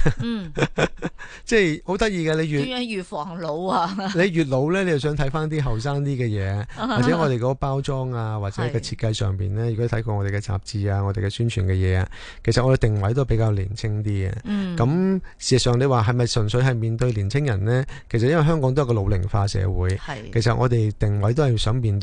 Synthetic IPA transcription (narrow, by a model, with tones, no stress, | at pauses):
t͡sɛː˥˩jho˨˥wt̪ɐ˥t̚jiː˧kaː˧le˨˧jjyː˨tjyː˨fɔː˨˩ŋlo˨˧wa˧le˨˧jjyː˨t̬̚lo˨˧wlɛː˥le˨˧jɐ˨˩wsœː˨˥ŋt̪ʰɐ˨˥jfaː˥nt̪̬iː˥ɦɐ˨wsaː˥ŋt̪iː˥ɡɛː˧jɛː˨˧a˨t͡sɛ˨˧˦ŋɔ˧˨˧ɾe˨jkɔː˨˧kɔ˧paː˥wt͡sɔː˥ŋaː˧waː˨t̚t͡sɛː˨˦˧kɔː˧t͡sʰiː˧t̚kɐ˧jsœ̰ː˨˩ŋpḭː˨nlɛː˥ɥy˨˩kɔ˥˧t̪ʰjkɔː˧ŋɔː˧e˨jkɛ˧t͡sa̰ː˨p̚t͡siː˧aː˧ŋɔː˨˧ɾe˨jkɛ˧syː˥nt͡ʃʰyː˨˩nkɛː˧jɛ̰ː˨˧a˧ | kʰe˨˩sɐ˨t̚ʔɔː˨˧e˨˩t̪ɪ˨ŋwɐ˨˥jt̪o˥pe˨˥jkaː˧wliː˨˩nt͡sʰɪ˥ŋt̪iː˥ɐ̰˨kɐ˨˥msiː˨˩zɐ˨sœː˨ŋnle˨˧jwaː˨ɦɐ˨jmɐ˨jsɵ˨˩nsɵ˨˧ɥɦɐ˨˩jmiː˨nt̪ɵ˧ɥliː˨˩nt͡sʰɪ˥ŋjɐ˨˩nlɛː˥kʰe˨˩sɐ˨t̚jɐ˥wɐ˨jɦœː˥ŋkɔː˧˥t̪o˥jkːɔ˧lo˨˧wlɪ̰˨˩ŋfaː˧sɛ̰ː˨˧wuː˨˥jʰe˨˩sɐ˨t̚ʔɔ̰ː˨˧t̪e˨jt̪ɪ˨˩ŋwɐ˨˥jt̪o˥whɐ˨jsœː˨˥ŋmiː˨nt̪